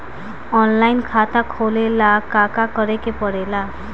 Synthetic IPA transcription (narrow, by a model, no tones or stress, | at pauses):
ɔnlajnkʰat̪akʰolelakakakɔɾekepɔɽela